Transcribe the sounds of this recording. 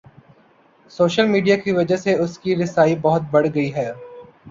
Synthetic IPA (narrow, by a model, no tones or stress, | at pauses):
soːʃəlmiːɖijakiʋɐd͡ʒaseʊskiɾɪsaːibɐɦʊt̪̚bɐɽɡɐiɦɛː